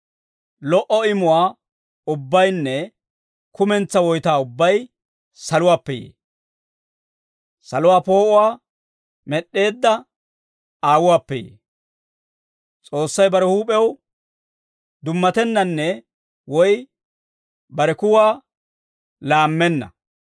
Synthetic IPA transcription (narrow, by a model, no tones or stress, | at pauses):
lɔʔɔɪmʊwaː | ʊbːɐjnːɛ | kʊmɛnt͡sːɐwɔjt̪aːʊbːɐj | sɐlʊwaːpːɛjḛː | sɐlʊwaːpo̞ːʔʊwaː | mɛɗːe̞ːd̪ːɐ | aːwʊwaːpːɛjḛː | t͡sʼo̞ːsːɐjbɐɾɛhuːpʼɛw | d̪ʊmːɐt̪ɛnːɐnːɛ | wɔj | bɐɾɛkʊwaː | laːmːɛnːɐ̰